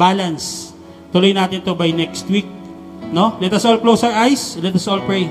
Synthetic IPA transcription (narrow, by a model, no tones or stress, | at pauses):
baːlɐns | t̪ʊlojnaːt̪ɪnt̪obajnɛkst̪wik̚ | nolɛt̪ɐsʔolklowsɐɹʔajslɛt̪ɐsolpɹɛj